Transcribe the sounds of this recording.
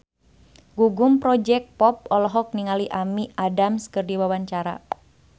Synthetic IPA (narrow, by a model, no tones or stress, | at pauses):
ɡuɡumpɾɔd͡ʒɛk̚pɔp̚ɔlɔɦɔk̚niŋaliʔamiʔadamskɨrdiwawaɲt͡ʃaɾa̰